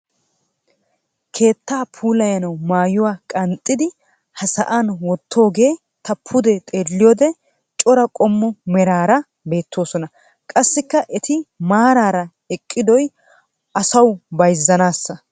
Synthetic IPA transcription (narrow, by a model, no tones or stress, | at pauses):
kʰe̞ːt̪ːaːpʰuːlɐjɐnɐwmaːjʊwaːkʼɐnt̪ʼːɪd̪ɪ | hɐsɐʔaːnwɔt̪ʰːo̞ːɡe̞ː | t̪ɐpʰːʊd̪ɛt̪ʼe̞ːlːɪjoːd̪ɛ | t͡ʃʼɔɾɐkʼɔmːɔmɛɾaːɾɐ | be̞ːt̪ːo̞ːsɔnɐ | kʼɐsːɪkːɐʔɛt̪ɪmaːɾaːɾɐ | ɛkʼːɪd̪ɔj | ʔɐsɐwbɐjzːɐnaːsːɐ